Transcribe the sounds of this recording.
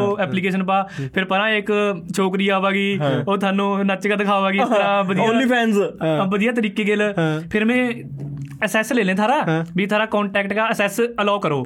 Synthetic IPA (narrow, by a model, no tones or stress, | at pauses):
oːɛːpliːkeːʃənpaːpʰɪɾpəɾãːɪkt͡ʃʰoːkɾiːaːʋaːɡiːoːt̪ʰaːnːũːnəːt͡ʃkad̪əkʰaːʋaːɡiːɾãːbəd̪oaːnliːpʰɛːnsbəd̪ɪjaːt̪̬əɾiːkeːɡɪlpʰɪɾmɛ̃ː | əsɛːsleːlẽːt̪ʰaːɾaːbiːt̪ʰaːɾaːkɔːɳʈɛːkʈkaːəsɛsəlaːkəɾoː